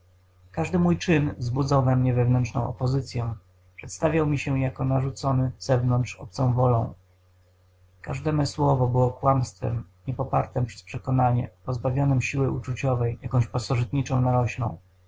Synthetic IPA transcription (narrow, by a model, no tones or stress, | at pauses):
kaʐd̪ɘmujt͡ʂɘnzbud̪zawvɛmɲɛvɛvnɛntt͡ʂnɔ̰̃w̃ɔ̰pɔzɘt̪sʲjɛ̃ | pʂɛt̪st̪avʲjawmʲiɕɛjakɔnaʐut̪sɔnɘz̥ɛvnɔntʂɔp̚t̪sɔ̃w̃vɔlɔ̰̃w̃ | ka̰ʐd̪ɛmɛswɔvɔbɘwɔkwamst̪fɛ̰mɲɛpɔpaɾt̪ɛmpʂɛ̥spʂɛkɔnaɲɛ̰pɔzbavʲjɔnɛmɕiwɘʔut͡ʂut͡ɕɔvɛjjakɔ̃w̃ɕpasɔʐɘt̪ɲit͡ʂɔ̃w̃naɾɔɕlɔ̰̃w̃